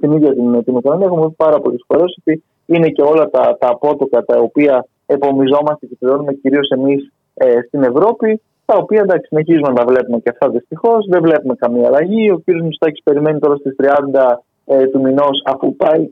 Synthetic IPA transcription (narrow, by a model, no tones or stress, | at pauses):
t̪iniðʝɐt̪int̪inikonomiɐexomoðpɐɾɐpo̞lisfo̞ɾe̞so̞t̪i | ine̞ce̞o̞lɐt̪ɐt̪ɐːpo̞t̪o̞kɐt̪ɐopiɐ | epo̞mizo̞mɐst̪ecep̪iɾo̞nume̞ciɾio̞se̞mis | est̪ine̞vɾo̞pi | t̪ɐopiɐend̪ɐksi̥sineçizumenɐt̪ɐvle̞pume̞ceɐft̪ɐðist̪ixo̞zðe̞vle̞pume̞kɐmiɐːlɐʝio̞ciɾiozust̪ɐcispe̞ɾime̞nit̪o̞ɾɐst̪ist̪ɾiɐnd̪ɐ | t̪umino̞sɐfupɐi